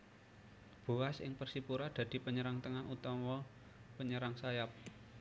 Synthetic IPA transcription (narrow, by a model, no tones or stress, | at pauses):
b̥ṳasɪ̰ŋpərsipuɾad̪̥ä̤d̪̥i̤pəɲəɾaŋt̪əŋanʔut̪ɔmɔ | pəɲəɾaŋsajap̚